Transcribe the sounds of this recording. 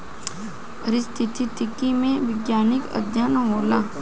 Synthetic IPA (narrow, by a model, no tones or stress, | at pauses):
ɐɾɪst̪ʰɪt̪ʰit̪ɪkimẽʋɪɡjaːnɪkə̰d̪ʱjaːnomoːlaː